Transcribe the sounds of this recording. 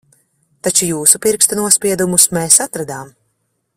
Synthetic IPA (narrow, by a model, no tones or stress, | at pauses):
t̪at͡ʃujuːsupiɾkst̪unuɔspʲiɛd̪umusmeːsat̪ɾad̪aːm